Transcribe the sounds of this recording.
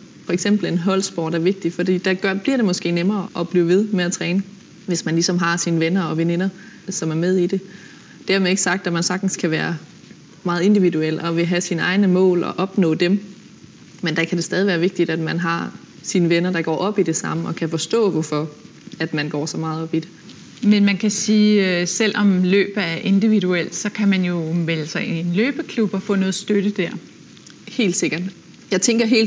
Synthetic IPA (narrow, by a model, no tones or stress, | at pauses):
fɒ̽eɡ̥sem̰b̥l̩e̝nɦɒ̽l̰sb̥ɒ̰ːd̥æɐʋe̝ɡ̥̚d̥ifɒ̽d̥ḭːd̥æɡ̥ɶb̥liɐ̰d̥e̝mɒ̽sɡ̥e̝̰ːnemɐːʔɒ̽b̥liʊʋe̝ð̞ˠmeæt͡sʰʁɛːnə | ʋe̝smænlisɒ̽mɦɑ̈sinəʋenɐɒ̽ʋene̝nɐ | sɒ̽mæɐmeð̞ˠid̥e̝ | d̥æɐ̰mee̝ɡ̥sɑ̈ɡ̥̚d̥æmænsɑ̈ɡ̥d̥n̩skʰæʋæːɐ | mɑ̈ːð̞̩ˠe̝nd̥iʋiduel̰ɒ̽ʋe̝ɦæsinəɑ̈ɪnəmɔ̰̽ːlɒ̽ʔɒ̽b̥nɔ̰̽ːd̥em | mend̥ækʰæd̥e̝sd̥ɛːð̞ˠiʋæːɐʋe̝ɡ̥̚d̥id̥æd̥mænɦɑ̈ | sinəʋenɐd̥ɑ̈ɡ̥ɒ̰ːʔɒ̽b̥id̥e̝sɑ̈məɒ̽kʰæfɒ̽sd̥ɔ̰̽ːʋɒfɒ̽ | æd̥mænɡ̥ɒ̰ːsɒ̽mɑ̈ːð̞̩ˠɒ̽b̥id̥e | menmænkʰæsiːsel̰ɒ̽mlø̰ːb̥æɐʔe̝nd̥iʋiduel̰d̥sɒ̽kʰæmænjo̝melsɐnløːb̥əkʰlub̥ɒ̽fɔ̰̽ːnɔ̽ːð̩ˠsd̥øɾ̥əd̥æɐ̰ | he̝̰ːld̥se̝ɡ̥ɐd̥ | jɑ̈ɪt͡sʰeŋɡ̥ɐɦe̝̰ːl